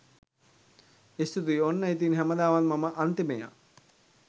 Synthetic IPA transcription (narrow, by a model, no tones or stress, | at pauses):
est̪ut̪uionːəit̪̬inɦæməd̪aːʋanmaməʔant̪emeja̰